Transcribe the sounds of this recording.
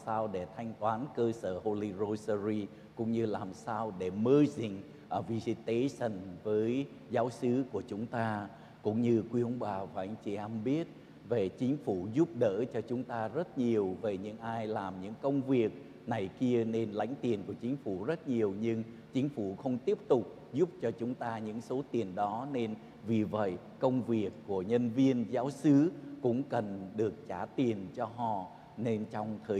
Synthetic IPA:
saː˧wɗe˧˩t̪ʰa˧jŋ̟t̪waː˨˦nkəː˧səː˧˩ho˧li˧zo˧sə˧zi˧ | kʊ̰˧˥ŋ͡mɲɨ˧laː˨˩msaː˧wɗe˧˩məː˧zi˨˩ŋ̟ | ʔvi˧zi˧˩t̪e˨˦sə˨˧˩nvəː˨˦j | zaː˨˦wsɨ˨˦ku˧˩ət͡ɕʊ˨˦ŋ͡mt̪aː˧ | kʊ̰˧˥ŋ͡mɲɨ˧kwi˧ʔə˧˦ŋ͡mɓaː˨˩vaː˨˩ʔa˧jŋ̟t͡ɕi˧˩ʔɛ˧mɓi˦˥ət̚ | ve˨˩t͡ɕï˨˦ŋ̟fu˧˩zʊ˦˥p̚ɗə̰ː˧˥t͡ɕɔ˧t͡ɕʊ˨˦ŋ͡mt̪aː˧zə˦˥t̚ɲi˨˩əwve˨˩ɲɨ̰˧˥ŋʔaː˧jlaː˨˩mɲɨ̰˧˥ŋkə˧wŋ͡mvi˨˩ək̚ | na˨˩jki˧əne˧nla̰˧˥jŋ̟t̪i˨˩ənku˧˩ət͡ɕï˨˦ŋ̟fu˧˩zə˦˥t̚ɲi˨˩əwɲɨ˧ŋ | t͡ɕï˨˦ŋ̟fu˧˩xə˧wŋ͡mt̪i˦˥əp̚t̪ʊ˨˩k͡p̚ | zu˦˥p̚t͡ɕɔ˧t͡ɕʊ˨˦ŋ͡mt̪aː˧ɲɨ̰˧˥ŋso˨˦t̪i˨˩ənɗɔ˨˦ne˧n | vi˨˩və̰˧˨j | kə˧wŋ͡mvi˨˩əkːu˧˩əɲə˧nvi˧ənzaː˨˦wsɨ˨˦kʊ̰˧˥ŋ͡mkə˨˩nɗɨ˨˩ək̚t͡ɕaː˧˩t̪i˨˩ənt͡ɕɔ˧ɦɔ̰˧˨ | ne˧nt͡ɕɔ˧wŋ͡mt̪ʰəː˨˩

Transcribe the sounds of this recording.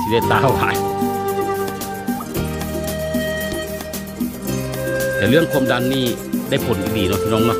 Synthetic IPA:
e˧˨t̪aː˧˩˨wlaː˧˨j | t̪ɛː˨˩lɯ˥˨ə˨nkʰo˧˥˨mda˧nːiː˥˩ | da˥˩˨jpʰo˨˩˦nka˧˩diː˨˩nɔ˧˩˧nɔː˧˥˨ŋma˧˥˨

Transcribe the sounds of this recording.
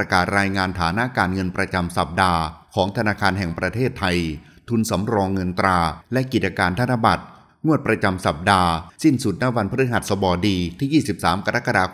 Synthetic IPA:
a˧kaː˨˩t̪̚ɾaː˧jŋaː˧nt̪ʰaː˩˦na˦˥kaː˧nŋɤ˧npɾa˧t͡ɕa˧msa˨˩p̚daː˧kʰɔː˩˦ŋt̪ʰa˧naː˧kʰaː˧nɦɛ˨˩ŋpɾa˧t̪ʰeː˥˩t̪ʰːa˧jt̪ʰu˧nsa˩˦mɾɔː˧ŋːɤ˧nt̪ɾaː˧lɛ˦˥ʔki˨˩t̪̚t͡ɕa˧kaː˧nt̪ʰa˧˥na˧˥ba˨˩t̪̚ | ŋu˥˩ət̪̚pɾa˧t͡ɕa˧msa˨˩p̚daː˧si˥˩nsu˨˩t̪̚na˦˥˩wa˧npʰɾɯ˦˥ɦa˨˩t̪̚sɔ˧bɔː˧diː˧t̪ʰiː˥˩jiː˥˩si˨˩p̚saː˩˦mka˧ɾa˦˥kːa˧daː˧

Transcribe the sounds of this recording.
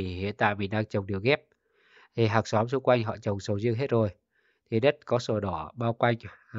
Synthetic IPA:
i˨˩hḭ˧˨ənt̪a̰ː˧˨jmi˨˩nɗaː˧ŋt͡ɕə˨˩wŋ͡mɗi˨˩əwɣɛ˦˥p̚ | t̪ʰi˨˩ɦaː˨˩k̚sɔ˨˦msu˧kwa˧jŋ̟ɦɔ̰˧˨t͡ɕə˨˩wŋ͡msə˨˩wzəŋɦe˦˥t̚zo˨˩j | t̪ʰi˨˩ɗə˦˥t̚kɔ˨˦so˧˩ɗɔ˧˩ɓaː˧wkwa˧jŋ̟

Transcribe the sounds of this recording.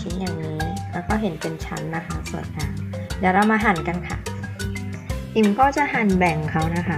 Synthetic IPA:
i˦˥njaː˨˩ŋniː˦˥kʰɛ˦˥wkɔː˥˩ɦe˨˩˦npe˧nt͡ɕʰa˦˥nːa˦˥kʰa˦˥su˨˩ə˦jkaː˧ŋdaː˨˩ɾa˧wmaː˧ɦa˨˦nka˧nkʰa̰˦˥˩ | ʔi˨˩mkɔː˥˩t͡ɕa˨˩ʔɦa˨˩nbɛ˨˩ŋkʰa˦˥wna˦˥kʰa˦˥

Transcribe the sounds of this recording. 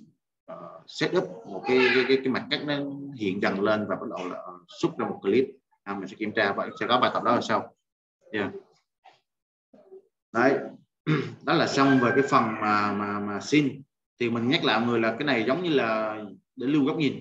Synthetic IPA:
ʔəː˨˩sɛ˦˥t̚ʔɨ˦˥p̚mo˨˩t̚kaː˨˦jkaː˨˦jkaː˨˦jkaː˨˦jma˨˩jk̚kaː˦˥k̚nə˨˦hḭ˧˨ənzə˨˩nle˧nvaː˨˩a˦˥t̚ɗə˨˩wlaː˨˩ʔsu˦˥t̚zaː˧mo˨˩t̚kaː˨˦li˦˥t̚ | haː˧˩mi˨˩sɛ̰˧˥ki˧˩mt͡ɕaː˧va̰˧˨sɛ̰˧˥kɔ˨˦vaː˨˩t̪ə˨˩k͡p̚ɗɔ˨˦aː˧˩sa˧w | zaː˧˩ | ɗə˨˧˦j | ɗɔ˨˦˥laː˨˩sa˧wŋ͡mveː˨˩kaː˨˦jfə˨˩nmaː˨˩maː˨˩maː˨˩si˧n | t̪ʰi˨˩mï˨˩ŋ̟ɲa˦˥k̚la̰ː˧˨jŋɨ˨˩əjlaː˨˩kaː˨˦jna˨˩jzə˨˦wŋ͡mɲɨ˧laː˨˩ | ɗe˧˩lɨ˧wɣɔ˦˥k͡p̚ɲi˨˩n

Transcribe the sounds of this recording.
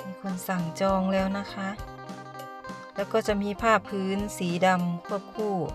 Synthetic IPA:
miː˧˥kʰo˧nsa˨˩ŋt͡ɕɔː˧ŋlɛː˦˥wna˦˧˥kʰa˦˥ʔ | lɛː˦˥wkɔː˥˩t͡ɕa˧˩miː˧˥pʰaː˥˩pʰːɯː˦˥nsiː˩˦da˧mkʰu˥˩əp̚kʰuː˥˩

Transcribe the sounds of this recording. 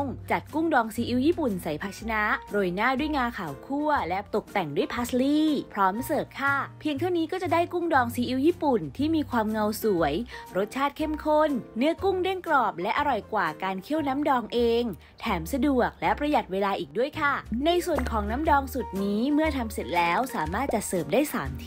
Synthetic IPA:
ŋt͡ɕa˨˩t̪̚ku˥˩ŋdɔː˧ŋsiː˨˦ʔi˧˥wjiː˥˩pu˨˩nsa˩˦jpʰa˧˥t͡ɕʰa˧na˦˥ʔɾoː˧jnaː˥˩du˥˩əjŋaː˧kʰaː˩˦wkʰu˥˩ɐlɛ˦˥t̪o˨˩k̚t̪ɛ˨˩ŋdu˥˩əjpʰa˦˥sliː˥˩pʰɾɔː˦˥msɤː˨˩t̪̚kʰa˥˩pʰi˧ŋt̪ʰa˥˩wniː˦˥kɔː˥˩t͡ɕa˨˩daː˥˩jku˥˩ŋdɔː˧ŋsiː˨˦ʔi˧˥wjiː˥˩pu˨˩nt̪ʰiː˥˩miː˧kʰwaː˧mŋa˧wsu˩˦əjɾo˦˥t̪̚t͡ɕʰaː˥˩t̪̚kʰe˥˩mkʰo˥˩nːɯ˦˥ɐku˥˩ŋde˥˩ŋklɔː˨˩p̚lɛ˦˥ʔa˧ɾɔ˨˩jkwaː˨˩kaː˧nkʰi˦˥˩əwna˦˥mdɔː˧ŋʔeː˧ŋ | t̪ʰɛː˩˦msa˧du˨˩ək̚lɛ˦˥pɾa˧ja˨˩t̪̚weː˧laː˧ʔiː˨˩k̚du˥˩əjkʰa˥˩na˧jsu˨˩ənkʰɔː˩˦ŋna˦˥mdɔː˧ŋsu˨˩t̪̚niː˦˥mɯ˥˩ɐt̪ʰa˧mse˨˩t̪̚lɛː˦˥wsaː˨˩˦maː˥˩t̪̚t͡ɕa˨˩sɤː˨˩p̚daː˥˩jsa̰ː˩˦mt̪ʰi̥˦˥

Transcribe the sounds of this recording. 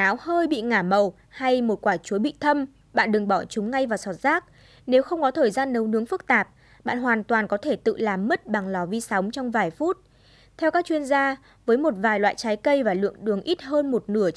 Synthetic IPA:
aː˨˦whəː˧jɓḭ˧˨ŋaː˧˩mə˨˩w | ha˧jmo˨˩t̚kwaː˧˩t͡ɕu˨˦ɓḭ˧˨t̪ʰə˧m | ɓa̰ː˧˨nɗɨ˨˩ŋɓɔ˧˩t͡ɕʊ˨˦ŋ͡mŋa˧jvaː˨˩sɔ˨˩t̚z̥aː˦˥k̚ | ne˨˦wxə˧wŋ͡mkɔ˨˦t̪ʰəː˨˩jzaː˧nːə˨˦wnɨ˨˦əŋfɨ˦˥k̚t̪aː˨˩p̚ | ɓa̰ː˧˨nɦwaː˨˩nt̪waː˨˩nkɔ˨˦t̪ʰe˧˩t̪ɨ̰˧˨laː˨˩mːə˦˥t̚ɓa˨˩ŋlɔ˨˩vi˧sa˨˦wŋ͡mt͡ɕɔ˧wŋ͡mvaː˨˩jfu˦˥t̚ | t̪ʰɛ˧wkaː˦˥k̚t͡ɕwi˧ənzaː˧ | vəː˨˦jmo˨˩t̚vaː˨˩jlwa̰ː˧˨jt͡ɕaː˨˦jkə˧jvaː˨˩lɨ̰˧˨əŋɗɨ˨˩əŋʔi˦˥t̚həː˧nmo˨˩t̚nɨ˧˩ə

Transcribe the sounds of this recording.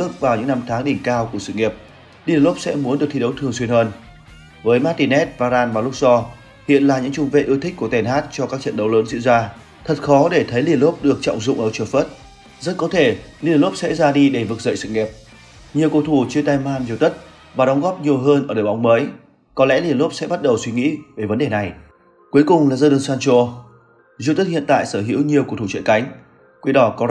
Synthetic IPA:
ək̚vaː˨˩wɲɨ̰˧˥ŋna˧mt̪ʰaː˨˦ŋɗï˨˩ŋ̟kaː˧wku˧˩əsɨ̰˧˨ŋi˨˩əp̚ | li˧˩ə˨lo˦˥p̚sɛ̰˧˥mu˨˦ənɗɨ˨˩k̚t̪i˧ə˨˦wt̪ʰɨ˨˩ŋswi˧ənhəː˧n | vəː˨˦jmaː˦˥t̪i˧˩nɛ˦˥t̚vaː˧zaː˧nvaː˨˩lʊ˦˥k̚sɔ˧ | hḭ˧˨ənlaː˨˩ɲɨ̰˧˥ŋt͡ɕʊ˧ŋ͡mvḛ˧˨ʔɨ˧ət̪i˦˥k̟̚ku˧˩ət̪ɛ˨˩nɦaː˦˥t̚t͡ɕɔ˧kaː˦˥k̚t͡ɕə̰˧˨nɗə˨˦wləː˨˦nzɨ̰˧˥zaː˧ | t̪ʰə˨˩t̚xɔ˨˦ɗe˧˩t̪ʰə˨˦jli˧˩ənlo˦˥p̚ɗɨ˨˩ək̚t͡ɕɔ̰˧˨wŋ͡mzʊ̰˧˨ŋ͡mʔəː˧˩t͡ɕɨː˧˩fə˦˥t̚ | zə˦˥t̚kɔ˨˦t̪ʰe˧˩li˨˩ənlo˦˥p̚sɛ̰˧˥zaː˧ɗi˧ɗe˧˩vɨ˨˩k̚zə̰ː˧˨jsɨ̰˧˨˩ŋɛ˨˩əp̚ | ɲi˨˩əwku˧˩t̪ʰu˧˩t͡ɕɨ˧ət̪aː˧jmaː˧mzi˨˩ət̪ə˦˥t̚ | vaː˨˩ɗɔ˨˦ŋ͡mɣɔ˦˥p̚ɲi˨˩əwɦəː˧nʔəː˧˩ɗəː˨˩jɓa˨˦wŋ͡mməː˨˦j | kɔ˨˦lɛ̰˧˥li˨˩ənlo˦˥p̚sɛ̰˧˥ɓa˦˥t̚ɗə˨˩wswi˨˧˦ŋḭ˧˥ve˨˩və˨˦nɗe˨˩na˨˩j | kwu˨˦əjkʊ˨˩ŋ͡mlaː˨˩zəː˧ɗəː˧˩nsaː˧nt͡ɕo˧ | zḭ˨˧˨t̪ə˦˥t̚hḭ˧˨ənt̪a̰ː˧˨jsəː˧˩ɦḭ˧˥əwɲi˨˩əwku˨˩t̪ʰu˧˩t͡ɕə̰˧˨nka˨˦jŋ̟ | kwi˧ɗɔ˨˦kɔ˨˦

